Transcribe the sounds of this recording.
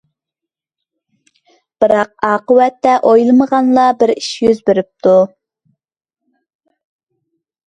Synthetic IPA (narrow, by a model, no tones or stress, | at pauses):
b̥ɨɾɑq̚ɑːqəwɛt̪ːɛʔojlˠməʁɑnlˠɑbɪɾiʃjøzbeɾyp̚t̪ʰu